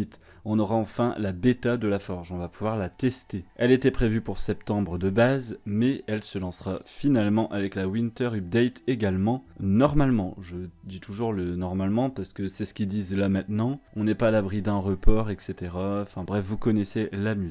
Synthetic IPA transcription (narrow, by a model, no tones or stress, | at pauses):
it̪ | ɔ̃nɔʁaɑ̃fɛ̃labet̪ad̪əlafɔʁʒɔ̃vapuvwaʁlat̪ɛst̪eɛlet̪ɛpχevypuʁsɛpt̪ɑ̃bʁəd̪əbazmɛɛlsəlɑ̃sʁafinalmɑ̃ʔavɛklawint̪œʁyb̚d̪ɛjt̪eɡalmɑ̃nɔʁmalmɑ̃ʒəd̪it̪uʒuʁlənɔʁmalmɑ̃paʁsə̥kəsɛsə̥kʲid̪izlamɛ̃t̪nɑ̃ɔ̃nɛpaːlabʁid̪ɛ̃ʁəpʰɔʁɛkset̪eʁaɑ̃fɛ̃bʁɛfvukɔnɛselamyz